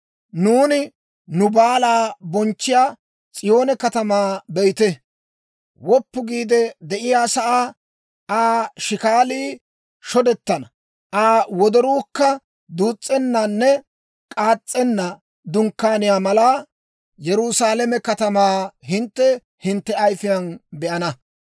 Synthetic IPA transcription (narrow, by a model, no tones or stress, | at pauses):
nuːnɪ | nʊbaːlaːbɔnt͡ʃːɪjaː | t͡sʼɪjo̞ːnɛkɐt̪ɐmaːbɛjt̪ɛ | wɔpːʊɡiːd̪ɛd̪ɛʔɪjaːsɐʔaː | aːʃɪkaːliː | ʃɔd̪ɛt̪ːɐnɐ | ʔaːwɔd̪ɔɾuːkːɐ | d̪uːt͡sʼːɛnːanːɛ | kʼaːt͡sʼːɛnːɐ | d̪ʊŋkːaːnɪjaːmɐlaː | jɛɾʊsaːlɛmɛkɐt̪ɐmaːɦɪnt̪ːɛ | hɪnt̪ːɛɐjfɪjɐnbɛʔɐnɐ